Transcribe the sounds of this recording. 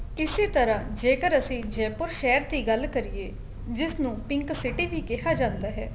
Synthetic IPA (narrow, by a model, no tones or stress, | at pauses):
ɪseːt̪əɾãːd͡ʒeːkəɾəsĩːd͡ʒɛːpʊɾʃɛːəɾt̪iːɡəlkəɾieː | d͡ʒɪsnũːpɪŋksɪʈiːʋʱiːkɪɦaːd͡ʒãːnd̪aːɦɛ̰ː